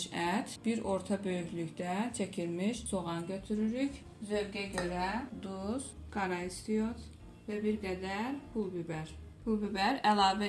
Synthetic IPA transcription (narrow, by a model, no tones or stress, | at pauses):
ʃæt̪biɾo̞ɾt̪ʰɑbø̞jyçlycd̪æt͡ʃʰæcʰilmiʃsʰoʁɑnɟøt̪ʰyɾyɾyc | zøvɡæɟø̞ɾæd̪uzɡ̥ɑɾɑist̪ijot̪ | væbiɾɡæd̪æɾpʰulˠbybæɾpʰulˠbybæɾælˠɑːvæ